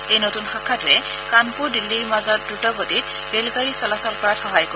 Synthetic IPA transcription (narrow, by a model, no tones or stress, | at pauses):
ejnotunxakʰːatʊɛ | kanpʊɹdilːiɹmazɔt̚dɹutɔbotit̚ | belɡaɹisɔlasɔlpɔɹatxɔɦajko